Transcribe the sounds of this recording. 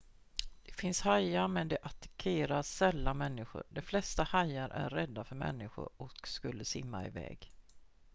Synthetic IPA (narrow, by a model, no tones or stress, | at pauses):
d̪̥ɛfɪnshajamɛnd̪ɛʔat̪ḁkʰeːɾasɛlːamɛnːɪɧʊ̰ɾɖɛflɛst̪ahajːaɾʔæ̰ɾːɛd̪ːafœɾmɛ̰nːɪɧʊ̰ɾɔkskɵlːəsɪ̰mːa̰ɪ̰vɛ̰ːɡ